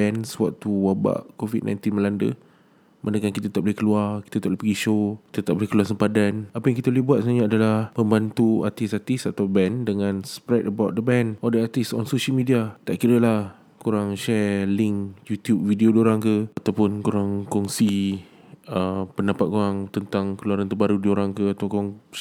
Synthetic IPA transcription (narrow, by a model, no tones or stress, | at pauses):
bɛnswaʔ̚t̪uwaba̰ʔkovḭd̚na̰jnt̪inməlandə̰ | mʔanəkankit̪at̪aʔbolihkəluarki̥t̪at̪aʔblpəɡiʃoki̥t̪ət̪aʔ̚bolɪhkəluasəmpadanapajaŋkit̪abolihbuat̪̚sənaɲaːdalahməmbant̪ua̰t̪isat̪isat̪awbɛndəŋãnspɾɛdəbawt̪̚dəbɛnʔɔldəat̪isɔ̰nsoʃəlmidiat̪aʔkiɾəlah | kuɾaŋʃɛlɪŋkjut̪jup̚vidiodioɾaŋkəat̪awpʊnkoɾaŋkɔŋsi | əpənapat̪̚koɾaŋt̪ənt̪aŋkəluaɾant̪ərbaɾudioɾaŋkəat̪akoɾaŋ